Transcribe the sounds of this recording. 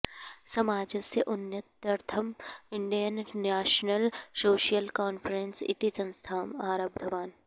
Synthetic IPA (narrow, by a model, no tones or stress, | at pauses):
sɐmaːd͡ʒəseʔʊnjət̪ɐɾt̪ʰəmɪ̃ɳɖijənːɛːʃnəlsoːʃijəlkaːnfɾensɪ̰t̪isɐ̃nst̪ʰaːmaːɾəb̚d̪ʱɐʋaːn